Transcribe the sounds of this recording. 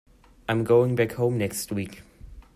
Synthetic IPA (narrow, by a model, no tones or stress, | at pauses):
ãɪ̃mɡoʊɪ̃ŋbækhõʊ̃mnɛkst̚wiˑk